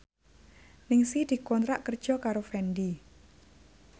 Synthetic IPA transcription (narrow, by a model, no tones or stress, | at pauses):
nɪŋsid̪̥i̤kɔnt̪ɾaʔkər̥d͡ʒ̥ɔkaɾofɛndi